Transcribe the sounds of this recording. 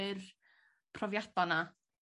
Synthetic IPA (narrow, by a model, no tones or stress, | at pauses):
ɪr | pʰrɔvjadɔna